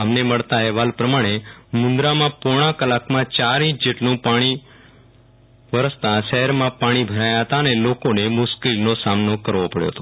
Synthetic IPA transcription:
əmneməɭt̪aɛɦʋalpɾəmaɽ̃emʊ̃nd̪ɾamãpuɽ̃ãkəlakmãt͡ʃaɾĩt͡ʃd͡ʒeʈlũpaɽ̃i | ʋəɾəst̪aʃəɦɛɾmãpaɽ̃ibʱəɾajaɦət̪aənelokonemʊʃkelnosamnokəɾʋopəɽjo̰ɦət̪o

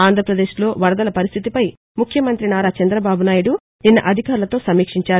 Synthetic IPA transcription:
aːnd̪ʱɾɐpɾɐd̪e̞ːʃlo̞ːʋɐɾɐd̪ɐlɐpɐɾist̪ʰit̪ipɐj | mukʰjɐmɐnt̪ɾinaːɾaːt͡ʃɐnd̪ɾɐbaːbunaːjuɽu | ninːɐʔɐd̪ʱikaːɾulɐt̪o̞ːsɐmiːkʂiɲt͡ʃaː

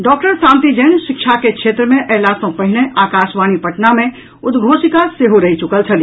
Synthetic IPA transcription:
ɖɔːk̚ʈəɾsãːnt̪id͡ʒənʃikt͡ʃʰakekʃʰet̪ɾəmẽʔəɦlasə̃pəɦineʔaːkaʃʋanipəʈnamẽ | ud̪ɡʱosikaseɦoɾəɦit͡ʃukəlt͡ʃʰəli

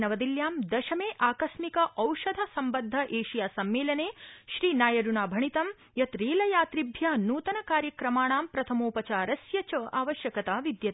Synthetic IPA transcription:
nɐʋɐd̪iljaːmd̪ɐʃɐmeːʔaːkɐʃmikɐʔɐwʂɐd̪ʱɐsɐmbɐd̪ʱːɐʔeːʃijaːsɐmːeːlɐneːʃɾiːnaːjɐɖuɳaːbʱɐɳit̪ɐm | jɐt̪ɾiːlɐjaːt̪ɾibʱjɐnuːt̪ɐnɐkaːɾjɐkɾɐmaːɳaːmpɾɐt̪ʰɐmoːpɐt͡ʃaːɾɐsjɐt͡ʃɐʔaːʋɐʃjɐkɐt̪aːʋid̪jɐt̪

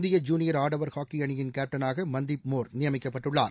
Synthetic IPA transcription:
nd̪ɪjɐd͡ʒuːnɪjɐɾaːɖɐʋɐɾhaːkːiɐɳɪjɪnkeːp̚ʈɐnaːɣɐmɐnd̪ɪp̚moːɾnɪjɐmɪkːɐpːɐʈːɯɭːa̰ːɾ

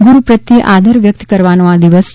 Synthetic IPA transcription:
ɡuɾupɾət̪jiʔad̪ʱəɾʋjək̚t̪kəɾʋanõad̪iʋəss

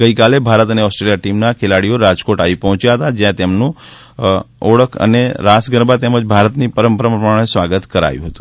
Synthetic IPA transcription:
ɡəikalebʱaɾət̪əneɔsʈɾelijaʈimnakʰelaɽijoɾad͡ʒkoʈaʋipəɦɔ̃t͡ʃjaɦət̪ad͡ʒjãt̪emnũ | ɔɽəkʰə̰neɾasɡəɾbat̪eməd͡ʒbʱaɾət̪nipəɾəmpəɾəməmaɳ̃esʋaɡət̪kəɾa̰jũɦət̪ũ̥

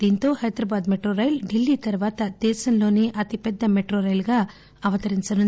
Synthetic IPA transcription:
d̪int̪oːhɐjɐd̪ɾɐbaːd̪meʈɾoɾɐjlɖilːit̪ɐɾʋaːt̪ɐd̪eːsɐnloːniʔɐt̪ipɛd̪ːɐmeʈɾoːɾɐjlɡɐ | ɐʋɐt̪ɐɾinsɐnɐ

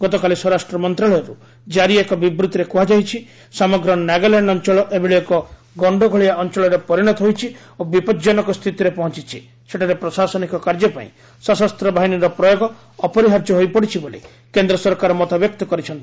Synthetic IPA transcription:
ɡɔt̪ɔkalisɔɾasʈɾɔmɔnt̪ɾaɭɔjɔɾu | d͡ʒaɾiekɔbibɾut̪iɾekuɦad͡ʒajt͡ʃʰi | samɔɡɾɔnaɡalaɳɖɔnt͡ʃɔɭɔʔebiɭiɔkɔ | ɡɔɳɖɔɡʱɔɭijaɔnt͡ʃɔɭɔɾepɔɾiɽ̃ɔt̪ɔɦojt͡ʃʰi | obipɔd͡ʒɔnɔkɔst̪ʰit̪iɾepɔɦɔ̃t͡ʃit͡ʃʰi | seʈʰaɾepɾɔsasɔnikɔkaɾd͡ʒɔpa̰ḭ̃ | sɔsast̪ɾɔbaɦiniɾɔpɾɔjoɡɔː | pɔɾiɦaɾd͡ʒɔɦojpɔɽit͡ʃʰibolḭ | kend̪ɾɔsɔɾkaɾɔmɔt̪abjɔk̚t̪ɔkɔɾit͡ʃʰɔnt̪i

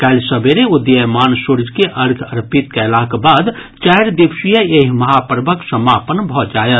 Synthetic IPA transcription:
kɛlsəbeɾeʊd̪jəmaːnsuɾd͡ʒkeʔəɾɡʰəɾpit̪kɛlakbaːd̪ | t͡ʃɛɦɾd̪ibʃijəeɦməɦapɾbəksəmaːpənbʱɔd͡ʒaːjət̪

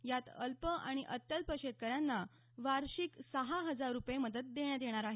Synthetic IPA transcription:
jat̪əlpəʔaɽ̃iʔət̪ːəlpəɕet̪̚kəɾjanːa | ʋaɾɕiksəɦaɦəd͡zaɾːupjeməd̪ət̪̚d̪eɳjad̪jeɽ̃aɾaɦe

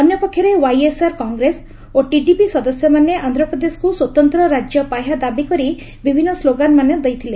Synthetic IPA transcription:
ɔnjɔpɔkʰːjɔɾewajesaɾkɔŋɡɾes | oʈiɖipisɔd̪ɔsjɔmaneand̪ʱɾɔpɾɔd̪esɔ̥kuswot̪ɔnt̪ɾɔɾad͡ʒjɔpajɦad̪abikɔɾi | bibʱinːɔsloɡanmaned̪ejt̪ʰile

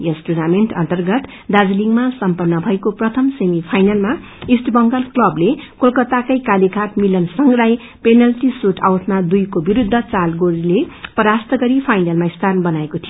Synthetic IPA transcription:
jesʈunameɳʈʌ̰nt̪ʌrɡʌt̪ | d̪ad͡zliŋɡmasʌmpʌnːʌbʱʌekoprʌt̪ʰʌmsemipʰajnalma | isʈbʌŋɡʌlklʌblekolkʌt̪akʌjkalikʰaʈmilʌnsʌŋɡlaj | penʌlʈisuʈʰawʈʰmad̪ujkobiɾud̪ʱːʌt͡salɡoɾilepʌɾast̪ʌɡʌɾipʰajnalmaist̪ʰarnbʌnaekot̪ʰijo

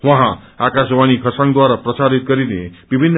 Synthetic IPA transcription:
ʋə̃ɦãakaʃʋanikʰəsãŋd̪ʋaɾapɾəsaɾit̪̚kəɾinebibʱinː

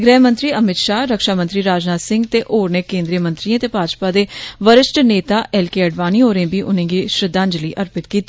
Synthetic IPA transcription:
ɡɾɛːmə̃nt̪ɾiːəmɪt̪ʃaːɾəkʃaːmə̃nt̪ɾiːɾaːd͡ʒnaːsɪ̃ŋɡt̪eːʔoːɾneːkẽːnd̪ɾiːəmə̃nt̪ɾiãːt̪eːpaːd͡ʒpaːd̪eːʋəɾɪsʈneːt̪aːʔɛːlkeːəɖʋaːniːɦoːɾẽːbiːʔʊnẽːɡiːʃɾɪd̪ãːnd͡ʒliːʔəɾpɪt̪kiːt̪ː

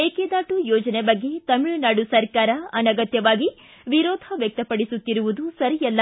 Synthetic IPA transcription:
eːked̪aːʈujɔːd͡ʒɐnebɐɡːe̞t̪ɐmiɭunaːɽusɐɾkaːɾɐɐnɐɡɐt̪jɐʋaːɡi | ʋiɾɔːd̪ʱɐʋjɐk̚t̪ɐpɐɽisut̪ːiɾuʋud̪usɐɾijɛlːɐ

